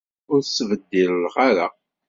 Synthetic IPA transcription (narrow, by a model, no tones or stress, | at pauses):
ʊɾsvəd̪ːiɾlʁaɾa